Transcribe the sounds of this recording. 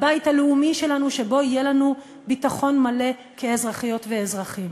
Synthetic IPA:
bajthaleumiʃe̞lanuʃe̞bo̞ijelanu | bitaχo̞nmale̞ | kʰe̞ːzʁaχijo̞tveːzʁaχim

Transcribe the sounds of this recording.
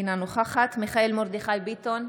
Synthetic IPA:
nanuχaχat̪miχaelmoʁd̪iχajbit̪on

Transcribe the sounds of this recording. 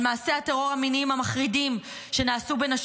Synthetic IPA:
maːse̞at̪eʁo̞ʁaminimhamaχʁidim | ʃe̞naːsube̞naʃ

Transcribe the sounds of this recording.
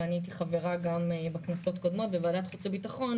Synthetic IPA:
anit̪̬iχave̞ʁaɡambeknaso̞t̪ko̞d̪mo̞t̪bevaːd̪at̪χut͡sebitaχo̞n

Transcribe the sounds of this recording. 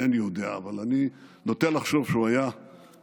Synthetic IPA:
enijod̪eaːvalaninot̪enlaχʃo̞v̥ʃeuaja

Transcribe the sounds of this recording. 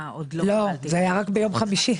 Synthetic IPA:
lo̞zeajaʁakbejo̞mχamiʃi

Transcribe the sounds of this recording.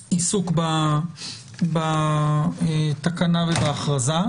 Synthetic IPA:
isukba | ba | et̪akanavebaːχʁaza

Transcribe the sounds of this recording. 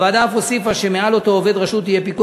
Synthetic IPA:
vaːd̪afosifaʃemealo̞t̪o̞ove̞d̪ʁaʃut̪ːijepiku

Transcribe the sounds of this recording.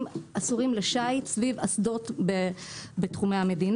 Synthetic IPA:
masuʁimleʃajtsvivasdotbebet̪χumeame̞d̪in

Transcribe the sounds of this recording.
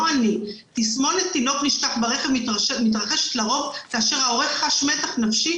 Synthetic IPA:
ani | t̪ismo̞net̪ːino̞kniʃtaχbaʁeχevmit̪̬ʁaχe̞ʃe̥t̪laʁo̞vkaːʃe̞ʁhao̞ʁeχχaʃme̞taχnafʃi

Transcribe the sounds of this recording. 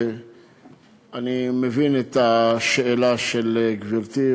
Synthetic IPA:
animevinet̪aʃeelaʃeleɡviʁt̪i

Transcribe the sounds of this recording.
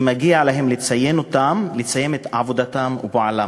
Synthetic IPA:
maɡialaɦe̞mlet͡saje̞not̪amlet͡saje̞met̪ʕavod̪at̪amṵbaʕala

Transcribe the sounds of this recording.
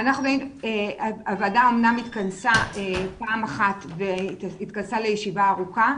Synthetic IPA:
anaχnuboineaavadao̞mnamit̪kansaepaːmaχat̪veit̪kansale̞jeʃivaːʁuka

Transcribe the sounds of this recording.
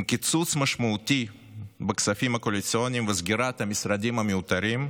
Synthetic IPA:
mkʲɪt̪sut̪sməʂmʊːt̪ʲi | bəksɐfʲimɐkolʲɪt̪sɨonʲɪmvəzɡʲɪɾat̪ɐmʲɪsɾɐd̪ʲimɐmʲɪʊt̪ɐɾʲim

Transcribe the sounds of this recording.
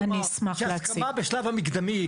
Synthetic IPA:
anismaχakamabeʃlavhamiɡd̪ami

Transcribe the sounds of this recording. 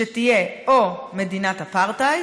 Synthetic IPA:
etije̞ome̞dinathapaʁta

